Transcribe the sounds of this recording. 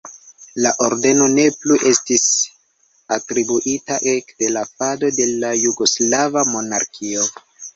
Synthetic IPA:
laʔo̞ɾde̞no̞ne̞pluʔe̞stis | atɾibuʔitaʔe̞kde̞lafado̞de̞lajuɡo̞slavamo̞naɾkʰio̞

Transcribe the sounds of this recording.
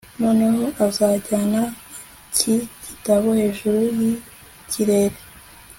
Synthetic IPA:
monaɦoʔazaːɟana | cʰiɟitaβohe̞ːʒuɾuji | cʰiɾe̞ɾe

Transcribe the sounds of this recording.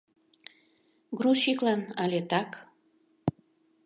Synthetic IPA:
ɡruʃiklɑnɑlʲet̪ɑk

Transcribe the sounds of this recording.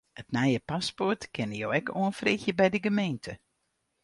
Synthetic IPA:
ətnajəpaspɔrtkɪnəjo̰ːɛko̰ːənfrɪxjəbɛjdəɡəmeːntʰə

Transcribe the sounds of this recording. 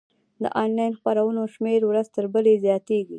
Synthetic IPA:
d̪ə̰ʔɑnlɑjnxpaɾawənoʃmeɾwɾazt̪əɾbəlezjɑt̪eɡi

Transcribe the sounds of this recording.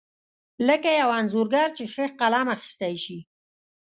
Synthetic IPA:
ləkajawɑnzoɾɡɑɾt͡ʃexəqalɑmaxi̥st̪ajʃi

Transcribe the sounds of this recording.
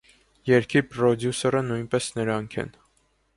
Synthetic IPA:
jɛɾkʰipɾɔd̪jusɔɾənujnpɛsnəɾɑŋkʰɛ̰n

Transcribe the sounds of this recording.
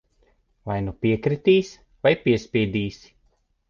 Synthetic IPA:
vajnupiɛkɾit̪iːs | vajpʲiɛspʲiɛd̪iːs

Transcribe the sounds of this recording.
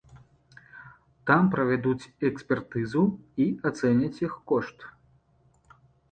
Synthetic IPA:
t̪ampɾɐvʲad̪ut͡sʲɛksʲpʲɛrt̪ɨzuiat̪sɛnʲɐt͡sʲixkɔʂt̪

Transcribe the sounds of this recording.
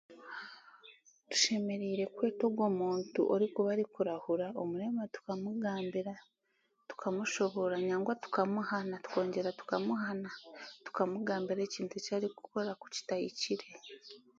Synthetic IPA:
tu̥ʃe̞me̞ɾiːɾe̞kwe̞ːto̞ɡwo̞ːmuːntṵʔoɾikuβaɾikuɾahuɾaomuɾe̞matu̥kamuɡaːmbiɾa | tu̥kʰamuʃo̞βo̞ɾaɲaːŋɡwatu̥kamuhanatu̥ko̞ːɲɟe̞ɾatu̥kamuɦanatu̥kamuɡaːmbiɾe̞ːciːntucaːɾiku̥ko̞ɾaku̥ci̥taiciɾe̞

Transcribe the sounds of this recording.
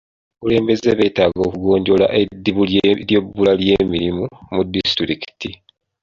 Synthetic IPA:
kule̞ːmbe̞zeβe̞ːtaːɡo̞ːkuɡo̞ːɲɟo̞la̰ʔe̞diβuljebːulalje̞ːmiɾimumudːistɾiki̥ti

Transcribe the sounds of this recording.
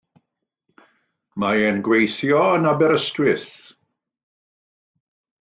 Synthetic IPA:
maɛnɡwejθjɔənabɛɾəstwɪθ

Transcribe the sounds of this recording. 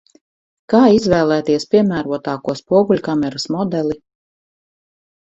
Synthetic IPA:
kaːizvɛːlˠæːt̪iɛspʲiɛmæːɾuɔt̪aːkuɔspuɔɡulʲkamɛɾasmɔd̪ɛlˠi

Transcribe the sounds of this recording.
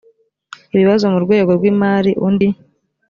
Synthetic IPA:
iβiβazo̞muɾɡwe̞ːɡo̞ɾɡwiːmaːɾiʔundi

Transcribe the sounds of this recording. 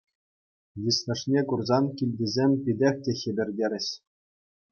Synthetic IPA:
ʋʲisnʲɘ̆ʂnʲekurzɑnkʲilʲdʲizʲemʲpʲidʲexʲtʲĕxʲɘ̆bʲɘ̆rʲdʲeɾʲɘ̆ɕ

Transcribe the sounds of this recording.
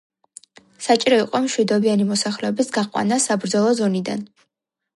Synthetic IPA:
sat͡ʃʼiɾɔiqʼɔmʃwid̪ɔbianimɔsaχlɛɔbisɡaqʼwa̰nasabɾd̪zɔlˠɔzɔnid̪a̰n

